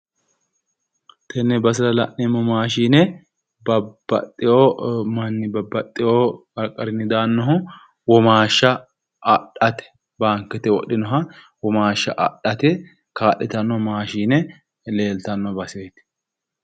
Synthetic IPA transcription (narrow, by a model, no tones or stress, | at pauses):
t̪ʰɛnːɛbɐs̬ɪlɐlɐ̰ʔnɛmːɔmaːʃiːnɛ | bɐbɐ̰t̪ʼːɪjomɐnːɪbɐbːɐt̪ʼːɪjoːɐɾkʼːɐɾɪnːɪd̪aːnːɔɦʊ | wɔmaːʃːɐ | ɐɗɐt̪ɛ̥ | baːŋkɛt̪ɛwɔ̰ɗɪnɔɦɐ | wɔmaːʃːɐʔɐ̰ᶑɐt̪ɛ | kaːɗɛt̪ɐnːɔmaːʃiːnɛ | le̞ːlt̪ɐnːɔbɐsejt̪ɪ̥